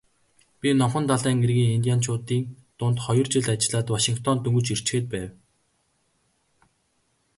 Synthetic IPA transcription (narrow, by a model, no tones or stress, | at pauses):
pʲinɔmχə̆nt̪aɮæːŋɡerɣiːŋint̪ʲijant͡ɕʰʊːt̪iːŋ | t̪ʊnt̪χɔjɞ̆rt͡ɕɪ̆ɮat͡ɕ̆ɮaːt̪waʃiŋkt̪ʰɔnt̪ɵŋɡɵ̆t͡ɕir̥t͡ɕxeːt̪̚pæːw